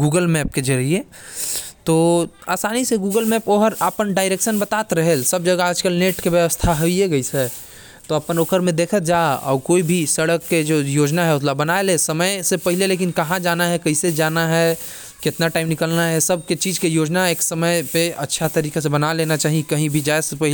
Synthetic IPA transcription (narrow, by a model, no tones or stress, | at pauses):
ɡuːɡəlmɛːp̚ked͡ʒəɾie | t̪oːa̰ːsaːniseɡuːɡəlmɛːpoːɦəɾapənɖaːɪɾeːkʃənbət̪aːt̪ɾəɦelsəbd͡ʒəɡaːd͡ʒkəlneʈkebjəʋəst̪ʰaɦoieɡəisɛ | t̪oɐpənoːkəɾmẽd̪eːkʰət̪d͡ʒaɔ̰ːɾkoːibʱisəɽəkːed͡ʒojoːd͡ʒnaɦɛʊt̪ʰlabənaelesəməjsepəɦɪleleːk̬inkɐɦãd͡ʒaːnaɦɛkəɦised͡ʒaːnaɦɛ | kɪt̪naʈaːɪmnɪkəlnaɦɛsəb̚ʱket͡ʃiːd͡ʒkejoːd͡ʒnaeːksəməjpeətːʃʰat̪əɾiːkes̬ebənaleːnat͡ʃaːɦiekəɦĩbʱid͡ʒaesepəɦle